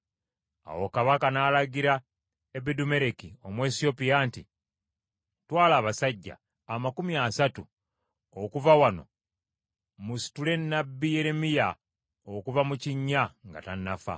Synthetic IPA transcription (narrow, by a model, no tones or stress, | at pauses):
a̰wo̞̰kaβakanaːlaɟiɾa | ebedume̞ɾe̞kio̞mwe̞sio̞pijaːnti | twaːlaːβasaɟːa̰ː | makumiasatu | okuvawano̞̰ | musi̥tule̞nːabːije̞ɾe̞mija | okuvamuciɲːaŋɡa̰tanːafa̰